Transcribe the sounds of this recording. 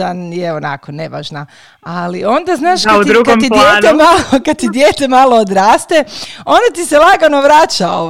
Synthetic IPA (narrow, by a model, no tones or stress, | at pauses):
anjeona̰kone̞ʋa̰ːʒna | alio̞nd̪aznaːʃaut̪ɾuɡkamt̪id̪jeːnemalokad̪̚t̪id̪jeːt̪emalˠo̞od̪ɾaːst̪eo̞nd̪at̪iselˠaɡanoʋɾaːt͡ʃao